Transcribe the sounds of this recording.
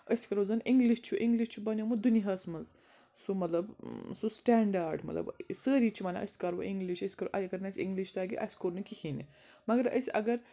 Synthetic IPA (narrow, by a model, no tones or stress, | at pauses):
əsʲkɐɾozɐnʔiŋɡliʃt͡ʃʰuʔiŋɡliʃʲt͡ʃʰubɐnʲjomɨd̪uniɦɐsmɐz | sumɐt̪lɐbsusʈɛːɳɖaːɾɖmɐt̪lɐ̰bsəːɾiːt͡ʃʰumɐna̰ʔɐ̰sʲkɐɾʋo̰ʔiŋɡliʃəsʲkɐɾoʔɐjɐɡɐɾnɐsʲḭŋɡliʃt̪aːɡḭʔɐ̰sʲkoɾnukihinḭmɐɡɐɾə̰sʲʔɐ̰ɡɐɾ